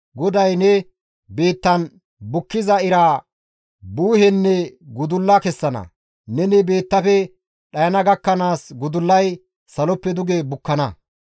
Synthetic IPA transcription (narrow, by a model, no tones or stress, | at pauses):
ɡɔd̪ɐjnɛ | be̞ːt̪ːɐn | bʊkːɪzɐɪɾaː | buːɦɛnːɛɡʊd̪ʊlːɐkɛsːɐnɐ̰ | nɛnɛbe̞ːt̪ːɐfɛ | ɗɐjɐnɐɡɐkːɐnaːsɡʊd̪ʊlːɐj | sɐlɔpːɛd̪ʊɡebʊkːɐnɐ